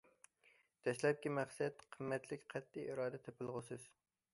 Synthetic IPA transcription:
d̪̥ɛslɛp̚kʲimæχsɛt̪qʰəmːɛt̪ʰlɪkʲqʰɛt̪ːɪiɾɑːd̪ɛt̪ʰɛpɪlˠʁʊsɨz̥

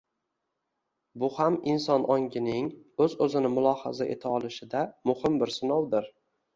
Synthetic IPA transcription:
bʊhamɪnsɒnʔɒŋɡʲɪnɪŋɵzɵzɪnɪmʊlˠɒha̰zaʔe̞̰t̪ʰaɒlˠɪʃɪd̪amʊhɪmbɪɾsɪnɒwd̪ɪɾ

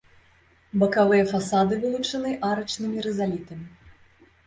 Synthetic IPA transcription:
bɐkavɨjɐfasad̪ɨvɨlˠut͡ʂɐnɨʔaɾɐt͡ʂnɨmʲiɾɛzalʲit̪ɐmʲi

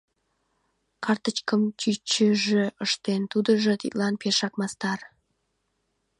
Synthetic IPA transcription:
kɑrt̪ət͡ɕkəmt͡ɕyt͡ɕəʒeʔəʃt̪ent̪ud̪əʒə̆t̪ḭt̪lɑnperʃɑkmɑst̪ɑr

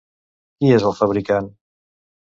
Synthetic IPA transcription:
kiezəlˠfəβɾikan

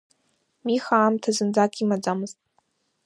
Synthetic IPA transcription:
mixaːmtʰazɨnd͡zakʼimad͡zamɨztʼ

